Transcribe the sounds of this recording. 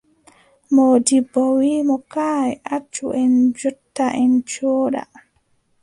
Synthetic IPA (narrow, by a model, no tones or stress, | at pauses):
modibːɔwimɔkaːɛʔat͡ʃːuʔɛnd͡ʒɔtːaʔɛnt͡ʃɔːɗa̰